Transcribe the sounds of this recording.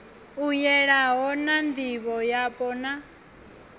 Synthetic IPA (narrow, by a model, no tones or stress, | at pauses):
ujɛɺaɦɔnand̪iβɔjapʼɔna